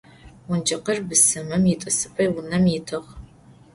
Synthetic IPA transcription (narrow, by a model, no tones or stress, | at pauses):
wʊnd͡ʒɐqərbɨsɨmɐmjɪtʷʼɨsɨpʰʼɐjwʊnɐmjɪtʰɨʁ